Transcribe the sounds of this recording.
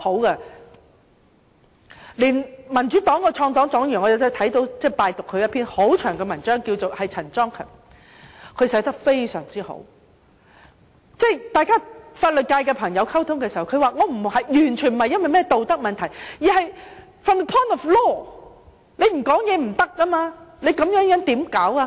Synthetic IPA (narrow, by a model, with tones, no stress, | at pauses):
ho˨˥wkɛ˧ | liː˨˩nmɐ˨˩nt͡ʃyː˨˥t̪ɔː˨˥ŋkɔː˧t͡ʃʰɔː˧ŋt̪ɔː˨˥ŋt͡sɔː˨˥ŋjy˨˩ŋɔ˨˧jɐ˨˩t̪ːt̪ʰɐ˨˥jt̪o˨˧wt͡sɛː˥˩paː˨˧jt̪ʊ˨kʰːɵ˨˧jɐ˥tpʰiː˥nho˨˥wt͡ʃʰœː˨˩ŋkɛː˧mɐ˨˩nt͡ʃœː˥ŋkiː˧wt͡so˨whɐ˨jt͡sʰɐ˨˩nt͡sɔː˥ŋkʰœ̰ː˨˩ŋ | kʰɵ˨˧ɥsɛ˨˥t̪ɐ˥k̚fe˥jsœ̰ː˨˩ŋt͡siː˥ho̰˨˥w | t͡sɛː˥˩jt̪aː˨˧jkaː˥faː˧t̚lə˨t̚kaː˧jkɛː˧pʰɐ˨˩ŋjɐ˨˧wkʰɐ˥wt̪ʰʊ˥ŋkɛː˧si˨˩hɐ˨˩wkʰɵ˨˧ɥwaː˨˧ŋɔː˨˧m̩˨˩hɐ˨jjyː˨˩nt͡ʃʰyː˨˩nm̩˨hɐ˨˧jɐ˥nwɐ˨jmɛː˥˩t̪o˨wt̪ɐ˥k̚mɐ˨nt̪ʰɐ˨˩jjiː˨˩hɐ˨j | fɐ˨˩nə˨pʰɔ˥nɔ˨flɔː˥ | ne˨˧jm̩˨˩kɔː˨˥ŋjɛː˨˧m̩˨˩t̪ɐ˥k̚ʔɐ˥maː˧ne˨˧jkɐ˨˧˥mjœː˨˥ŋjœː˨˥ŋt̪iː˨˥mkaː˨˥wa˧